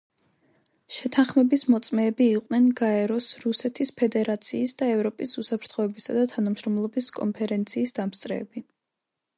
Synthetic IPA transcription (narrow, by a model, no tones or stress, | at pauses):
ʃɛt̪ʰanχmɛbismɔt̪sʼmɛːbiːqʼnɛnɡaɛɾɔsɾusɛt̪ʰispʰɛd̪ɛɾat̪sʰiːsd̪aɛvɾɔpʼisusapʰɾt̪ʰχɔɛbisad̪at̪ʰanamʃɾɔmlˠɔbiskʼɔ̰npʰɛɾɛnt̪sʰiːsd̪̥amst̪sʼɾɛ̰ːbi